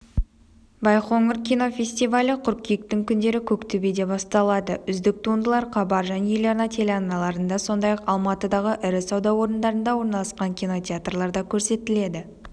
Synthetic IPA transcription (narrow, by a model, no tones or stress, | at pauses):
bɑjχo̞ŋɪɾkʲijno̞fʲe̞sʲt̪ijvalʲəqʰʊɾkʲijɪk̚t̪ɪŋkʲʰʏnd̪e̞ɾɪkʲʰɵkt̪ʰʏbed̪e̞bɑst̪ɑlˠɑd̪əʔʏzd̪ɪk̚t̪ʰund̪əlˠɑɾqʰɑbɑɾʒænejeleɾnɑt̪ʲʰe̞lʲeɑnɑlˠɑɾənd̪ɑso̞nd̪ɑjɑqɑlˠmɑt̪əd̪ɑʁəʔɪɾɪsɑwd̪ɑwo̞ɾənd̪ɑɾənd̪ɑwo̞ɾnɑlˠɑsqɑŋkʲʰijno̞t̪ʲeat̪rlˠɑɾd̪ɑkʲʰɵɾse̞t̪ɪle̞d̪ɪ